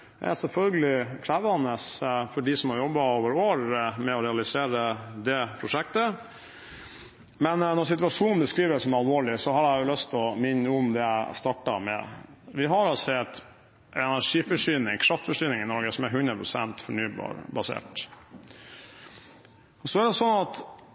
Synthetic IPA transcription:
æ̰ɪæsɛlfœlɡəlɪkʰɾæːʋəɑnəsfɔɖisɔmhɑɾjɔbːɑoːʋəɾoːɾmɛɔɾɛɑlɪseːɾəd̪ɛpʰɾʊʂɛk̚t̪ə | mɛnnɔsɪt̪ʉɑʂuːnn̩bəskɾiːʋəsɔmɑlʋoːɭɪsɔɦɑɾæjʊlœst̪ɔmɪnːəʊmd̪ɛæɪst̪ɑʈːɑ̰mɛ̰ʋɪɦɑɾɑsɛt̪ː | ʔɛnæʂiːfɔʂyːnɪŋkʰɾɑft̪fɔʂyːnɪŋɪnɔɾɡəsɔmæɾɦʉnɾəpʰɾʊsɛ̰nt̪fɔɳyːb̰ɾbɑsḛːʈ | ɔsɔæɖ̪ɛsɔnːɑt̪

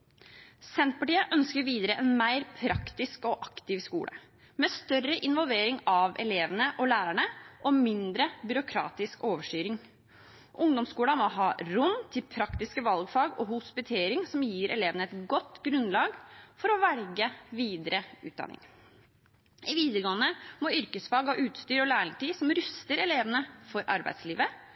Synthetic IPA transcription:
sɛnt̪̚pʰɑʈiːəʔœnskəɾʋiːd̪əɾəʔɛnmæɪɾpʰɾɑkt̪ɪskɔʔɑkt̪ɪʋskṵːɽʔə̰ | mɛːst̪œrəʔɪnʋɔlˠʋeːɾɪŋɑʋɛ̰leːʋənəʔɔlæːɾæɳəʔɔmɪnd̪ɾəbʏɾʊkʰɾɑ̰ːt̪ɪskoːʋəʂʈyːɾɪŋ | ʔʊŋd̪ɔmskuːlɑmɔɦɑːɾʊnt̪ʰɪlpʰɾɑkt̪ɪskəʋɑlɡfɑːɡɔhʊspɪt̪ʰeːɾɪŋsɔmjiːɾɛ̰leːʋənəɛt̪ɡɔt̪ːɡɾʉnlɑːɡfɔɾɔʋæɾɡəʋiːd̪əɾəʉ̰ːd̪ɑ̰nɪ̰ŋ | ɪʋiːd̪əɾɡɔənəmɔʏɾkəsfɑːɡɑʔʉːt̪st̪yːɾɔlæːɾɪŋʈ̪iːsɔmɾʉst̪əɾɛleːʋənəfɔɾʔɑ̰ɾbæ̰ɪd̪sliːʋə

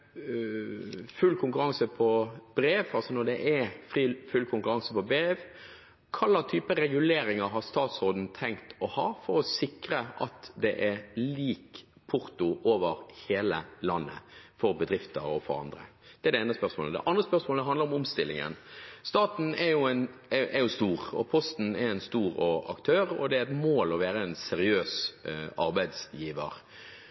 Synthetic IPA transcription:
fʉlkʰʊŋkʉɾɑŋsəpʰɔb̥ɾeːʋɑlsɔnɔɾd̪ɛʔɛɾfɾiːfʉlkʰʊŋkʉɾɑŋsəpɔbeːʋ | kʰɑlːɑt̪ʰyːpəɾɛɡʉleːɾɪŋəɾɦɑʁst̪ɑːt̪sʁoːd̪n̩t̪ʰɛŋkt̪ʰɔhɑːfɔɾɔsɪkɾəʔɑt̪d̪ɛʔɛliːk | pʰʊɾt̪ʊʔoːʋəɾheːləlɑnːə̰fɔɾbəd̪ɾɪft̪əɾɔfɔɾɑ̰nd̪ɾə̰d̪̥ɛæɛɾɖ̪ɛeːnəspœɾʂmo̰ːləd̪ɛ̰ʔɑnd̪ʁəspœɾsmoːləd̪ɛɦɑnd̪əɾɔmʊmst̪ɪlːɪ̰ŋə̰nst̪ɑːt̪n̩ɛɾjʊɛnɛjʊst̪uːɾɔ̰pʰɔst̪n̩ɛɾɛnst̪uːɾɔɑ̰kt̪ʰøːɾɔ̰d̪ɛæɾɛt̪moːlɔʋæːɾəɛnsɛɾɪøːsɑɾbæɪd̪sjiːʋə̰ɾ

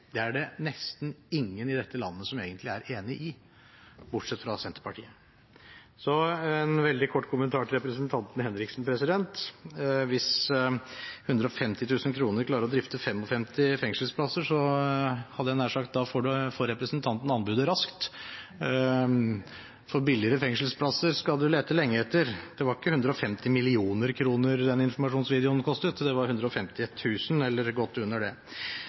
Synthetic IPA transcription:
d̪̥ɛæɖɛnɛst̪n̩ɪŋːənɪd̪ɛt̪ːəlɑ̰nːəsɔmeːɡənt̪lɪæɾeːnɪʔɪ | bʊʈʂɛt̪ːfɾɑsɛnt̪ə̥pɑʈʰḭːə | sɔɛnʋɛld̪ɪkʰɔʈːkʰʊmənt̪ʰɑːʈɪlɾɛpɾəsənt̪ʰɑnt̪nhɛnɾɪksn̩pʰɾɛsɪd̪ɛnt̪ | ʋɪs | hʉnd̪ɾəɔfɛmt̪ɪt̪ʰʉːsənkʰɾuːnəɾklɑːɾəɾɔd̪ɾɪft̪əfɛmːɔfɛmt̪ɪfɛŋsəlspʰlɑsəʂɔ | hɑd̪əɛnæːʂɑkt̪̚d̪ɑfoːɖʉfɔːɾːɛpɾəsnt̪ʰɑnt̪n̩ɑnbʉːd̪əɾɑskt̪ | fɔɾbɪlːɪəɾəfɛŋʂəlspʰlɑsəɾskɑd̪ʉleːt̪əlɛŋːəɛt̪ːəɾd̪̥ɛʋɑɾɪkːəhʉnd̪ɾəɔfɛmt̪ɪmɪlɪuːnəɾkʰɾuːnəɾd̪ɛnɪnfɔɾmɑʂuːnsʋiːd̪ɪʊnkʰɔst̪ət̪d̪ɛʋɑɾhʉnd̪ɾəɔfɛmt̪ɪt̪ʰʉːsənɛlːəɾɡɔt̪ːʉnːəɖɛ

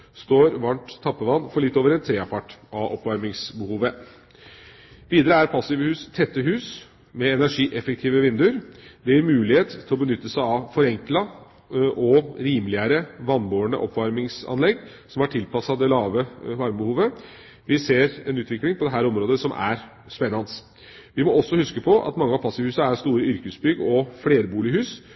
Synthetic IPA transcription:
st̪oːɾʋɑɳʈt̪ʰːɑpːəʋɑnːfɔɭɪt̪ːoːʋəɾɛnt̪ʰːɾeːɑpʰɑʈːʔɑʔɔpʋɑɾmɪŋsbəhuːʋə | ʋiːd̪əɾəæɾpʰɑsɪʋəhʉːst̪ʰɛt̪ːəɦʉːs | mɛɛnæʂiːʔɛfək̚t̪ʰiːʋəʋɪnd̪ʉəɾd̪ɛjɪɾmʉːlɪheːt̪t̪ʰːɪlɔbənʏt̪ːəsæɑʋfɔɾɛŋklɑ | ʔɔɾiːmlɪəɾəʋɑnboːəɳə̰ʔɔ̰pːʋɑɾmɪŋsɑ̰nlɛɡː | sɔmɑʈʰɪlpɑsɑd̪ɛlɑːʋəʋɑɾmbəhuːʋə | ʋɪseːɾɛnʉːt̪ʰʋɪklɪŋpʰɔd̪ɛɦæːɾɔmɾoːd̪əsɔmʔæ̰ɾ | spɛnːɑns | ʋɪmɔɔsːɔhʉskəpʰɔʔɑ̰t̪mɑŋːəɑpʰɑsɪʋhʉːsɑæɾst̪uːɾəʏɾkəsbʏɡɔfɽeːɾbuːlɪhʉːs

